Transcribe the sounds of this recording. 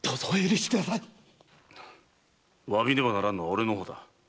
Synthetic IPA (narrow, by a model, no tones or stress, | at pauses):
d̪̥ozoeɾɯɕi̥kɯd̪asai | βaβʲid̪eβanaɾanːoaoɾeno̞ɦoːd̪a